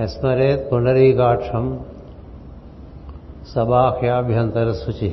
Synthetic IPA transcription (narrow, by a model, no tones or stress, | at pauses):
esmɐɾeːt̪puɳɖɐɾiːkaːʈʂɐm | sɐbaːkʰjaːbʱjɐnt̪ɐɾɐsut͡ʃi